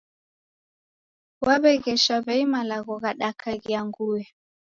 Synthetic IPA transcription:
waβɛɣɛʃaβɛimalaɣɔɣaɗakʰaɣiaŋɡuɛ

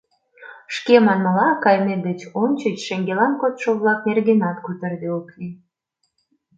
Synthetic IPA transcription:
ʃkemɑnməlɑkɑjmed̪et͡ɕonʲt͡ɕət͡ɕʃĕŋɡelɑnkot̪ʃoβlɑknerɣenɑt̪kut̪ərd̪eokli

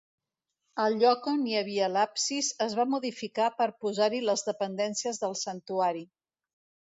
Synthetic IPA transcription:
əlʎɔkoniəβ̞iəlapsizəzβamuðifikapəɾpuzaɾiləzðəpənd̪ɛnsiəzðəlˠsənt̪uaɾi

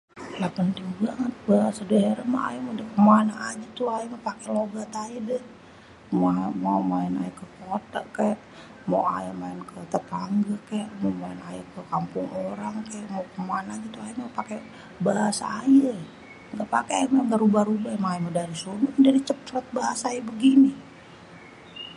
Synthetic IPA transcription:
lapənt̪ɪŋbaŋət̪̚baɦasadəɦeɾama̰ʔa̰jamodəkəmoanaʔad͡ʒat̪uaimapakɛloɡat̪aidɛh | moamamaina̰jakəkot̪a̰ʔkajaʔ | moʔa̰jamaɪnkʰət̪ət̪aŋɡakajaʔmomaɪnajakəkampʊŋoɾaŋkajaʔmokəmoanad͡ʒat̪uajimapake | baɦasa̰ajə | ŋɡaʔpakeajamaŋɡaʔɾubahɾubahmaaimodaɾisumudaɾit͡ʃəpɾət̪̚baɦasaːjabəɡini

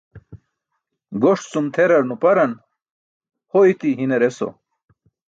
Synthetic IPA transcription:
ɡoʂt͡sumt̪ʰeɾɐɾnupɐɾɐn | hoit̪iɦinɐɾeso̰

